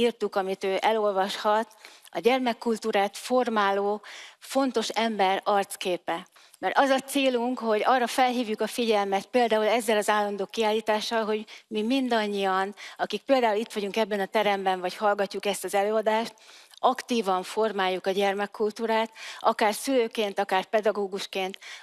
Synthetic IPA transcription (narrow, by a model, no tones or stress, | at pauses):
irt̪ukɒmit̪øːʔɛlo̞lvɒʃhɒt̪ɒɟɛrmɛkːult̪uːɾaːt̪fo̞rmaːloːfo̞nt̪o̞ʃɛmbɛrɒrt̪skeːpɛ | mɛrɒzɒt̪seːluŋkho̞ɟɒrːɒfɛlɦiːvjukɒfiɟɛlmɛt̪̚peːld̪aːulɛzːɛlɒzaːlːɒnd̪oːkːiaːlːiːt̪aːʃːɒlɦo̞ɟmimind̪ɒɲːiɒnɒkik̚peːld̪aːulit̪ʋɒɟuŋkɛbːɛnɒt̪ɛɾɛmbɛɱvɒchɒlɡɒcːukɛst̪ɒzɛløːɒd̪aːʃt̪̚ʔɒkt̪iːvɒɱfo̞rmaːjːukɒɟɛrmɛkːult̪uːɾaːt̪ʔɒkaːrsyløːkeːnt̪ɒkaːrpɛd̪ɒɡoːɡuʃkeːnt̪